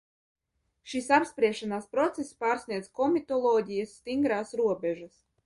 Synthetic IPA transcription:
ʃisapspɾiɛʃanaːspɾɔt̪sespaːɾsniɛd̪zkɔmʲit̪ɔlˠɔːdʲijasːt̪iŋɡɾaːsɾuɔbʲɛʒas

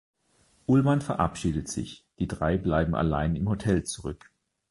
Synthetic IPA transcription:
ʔʊlmanfɛɐʔa̰pʃiːdətz̥ɪ̰çd̥iːdʁaɪblaɪbm̩a̰la̰ɪnɪmhotʰɛlt͡suʁʏk

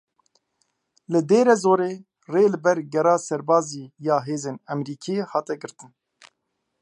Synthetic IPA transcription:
lɨd̪eːɾɛzoːɾeː | reːlɨbɛɾɡɛɾɑːsɛɾbɑːziːjɑːɦeːzeːnɛmɾiːkʰiehɑːt̪ɛɡɨɾt̪ɨn

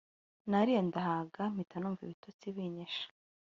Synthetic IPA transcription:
naɾijondaɦaɡam̥itanuɱvḭβitot͡siβiɲeʃḁ

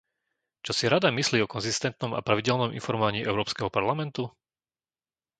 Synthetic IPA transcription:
t͡ʃɔsiɾad̪amisliːɔkɔnzist̪ɛnt̪̚nɔma̰pɾaʋiɟɛlnɔmʔḭnfɔɾmɔʋaɲiːʔɛʊɾɔːpskɛɦɔpaɾlamɛnt̪u

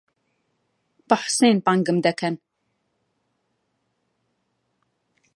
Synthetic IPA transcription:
b̥aħseːnpaŋɡəmd̪ɛkʰɛn

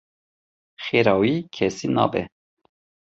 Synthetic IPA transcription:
xeːɾɑːwiːkʰɛsiːnɑ̰ːbɛ̰

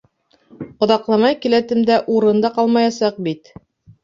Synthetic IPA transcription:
qŏðɑqlˠɑmɑjkilæt̪ɘ̆md̪æʔuɾɤ̆nd̪ɑqɑlˠmɑjɑsɑq̚bit̪

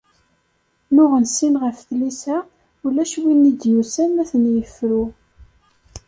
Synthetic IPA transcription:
nʊʁənsinʁəfθlisæ | ulæʃwinːid̪jusænæθənjəfɾu

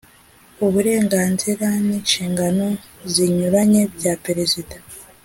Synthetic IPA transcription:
uβuɾe̞ːŋɡaːnziɾaniːnʃiːŋɡano̞ziɲuɾaɲe̞bjapeɾezidḁ

